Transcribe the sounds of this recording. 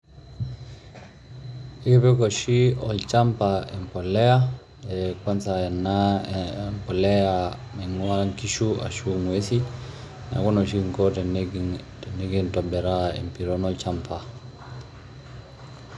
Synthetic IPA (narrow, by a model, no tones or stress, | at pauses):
ipɛkɔʃiɔlt͡ʃampaɛmpɔlɛa | ɛkwansaɛnːa | mpɔlɛa | mɛŋuaŋkiʃua̰ʃuŋesi | na̰kɔnɔʃiŋkɔn | neɡintɔbɛɾaɛ̰mpiɾɔnɔlt͡ʃampa